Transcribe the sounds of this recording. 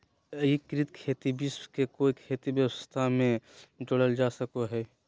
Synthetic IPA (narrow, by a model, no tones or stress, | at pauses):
ikːɾit̪kʰeːt̪ibiskekoːikʰeːt̪ibjəwəst̪ʰamẽd͡ʒoɽəld͡ʒaːsəkoɦɛː